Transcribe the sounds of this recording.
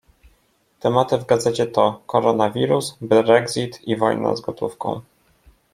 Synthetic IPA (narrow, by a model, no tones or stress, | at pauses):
t̪ɛmat̪ɘvɡad̪zɛt͡ɕɛt̪ɔkɔɾɔnavʲiɾusbɾɛɡzit̪ivɔjna̰zɡɔt̪ufkɔ̰̃w̃